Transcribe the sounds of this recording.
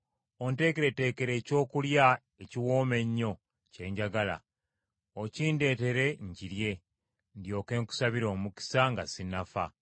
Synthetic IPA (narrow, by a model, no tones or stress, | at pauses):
o̞nte̞ːkeɾe̞te̞ːke̞ɾe̞ːco̞ːkulja | e̞ciwo̞ːme̞ɲːo̞ | ce̞ːɲɟaɡala̰ | ociːnde̞ːte̞ɾe̞ɲɟiɾje̞ | ndjo̞ːke̞ːŋku̥saβiɾo̞ːmuki̥saŋɡasinafa̰